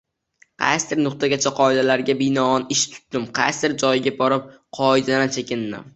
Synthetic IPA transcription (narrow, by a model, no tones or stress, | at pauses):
qʰa̰st̪ʰɪɾnʊqt̪ʰaɡʲat͡ʃʰaqʰɒɪd̪alaɾɡʲabɪnɒɒnɪʃt̪ʰʊ̥t̪̚d̥̪ɪmqʰa̰st̪ɪɾd͡ʒɒjɪɡʲabɒɾɪp̚qʰɒɪd̪anant͡ʃʰekʲɪnːɪ̰m